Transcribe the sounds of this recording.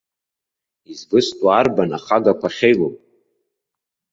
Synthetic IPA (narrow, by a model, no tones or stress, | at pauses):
izbɨstʷʼarbanaχaɡakʷʰaχʲejlopʼ